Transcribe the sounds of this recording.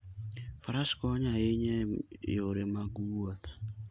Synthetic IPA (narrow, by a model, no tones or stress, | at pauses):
faɾaskɔɲaeɲɛjoɾemaɡuɔt̪ḁ